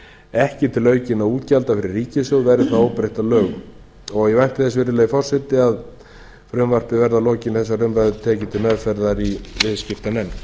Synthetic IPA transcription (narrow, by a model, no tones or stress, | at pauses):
ɛhcɪt̪ʰɪlœːɥcɪnawuːt̪calt̪afɪɾɪrːiːcɪsœɣvɛɾʏθaðowpɾejht̪alœːɣ | ɔɣɛvajn̥t̪ɪθɛsvɪɾɪlɛːɣifɔr̥sɛt̪ɪað | fɾʏmvar̥pɪvɛɾðalɔːcɪnθɛsːarʏmvaðʏt̪ʰɛːcɪt̪ʰɪmɛðfɛɾðaɾivɪðscɪft̪anɛnː